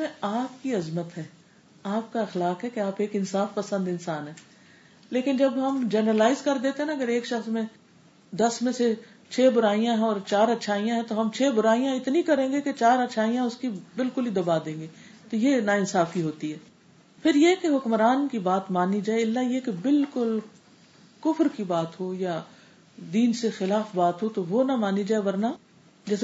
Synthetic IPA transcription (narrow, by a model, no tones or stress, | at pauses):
mẽaːp̚kiɐzmət̪ɦɛː | aːp̚kaɐxlaːkɦɛkeaːpeːkɪnsaːfpɐsə̃nd̪ɪnsaːnɦɛː | leːkɪnd͡ʒɐbɦɐmd͡ʒɛːnəɾəlaːɪzkɐɾd̪eːt̪eɦɛ̃naɐɡəɾeːkʃɐxsmẽ | d̪ɐsmẽse | t͡ʃʰeːbʊɾaːijãɦɛ̃ɔːɾt͡ʃaːɾɐtːʃʰaːijãɦɛ̃t̪oɦɐmt͡ʃʰeːbʊɾaːijãɪt̪nĩkɐɾẽːŋɡeket͡ʃaːɾɐtːʃʰaːijãʊskibɪlkʊlɦid̪ɐbad̪ẽːŋɡeːt̪ojenaɪnsaːfkiɦoːt̪iɦɛː | pʰɪɾjekeɦʊkmɾaːnkibaːt̪maːnid͡ʒaːeɪlːajekebɪlkʊl | kʊfɾkibaːt̪ɦoja | d̪iːnsexɪlaːfbaːt̪ɦot̪oʋonamaːnid͡ʒaːeʋɐɾna | d͡ʒɛːs